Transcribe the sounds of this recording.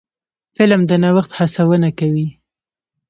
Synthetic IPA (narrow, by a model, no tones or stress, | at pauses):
fɪlmd̪ənawaxt̪hasawənakawi